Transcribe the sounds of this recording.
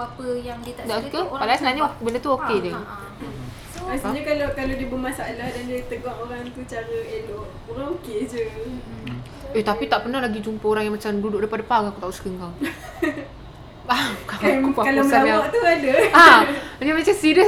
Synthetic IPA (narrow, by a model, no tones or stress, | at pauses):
apəjaŋit̪adaʔskəpadaasənaɲabəndət̪uokedɛ | astaiɲakalakalodibəmasalahdandiət̪əɡaŋoɾaŋt̪ut͡ʃaɾəeloʔ | oɾaŋoked͡ʒə | et̪apit̪aʔpənahlaɡid͡ʒumpəoɾaŋjaŋmat͡ʃamdudʊʔdapadapaŋakut̪ausə̥kəŋɡaw | akaakupaalməaalawaʔt̪uadaanamat͡ʃamsiɾə